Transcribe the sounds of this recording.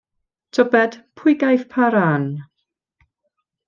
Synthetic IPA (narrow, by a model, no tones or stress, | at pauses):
tʰɔbɛd̥pʰʊjɡajθpʰaɾan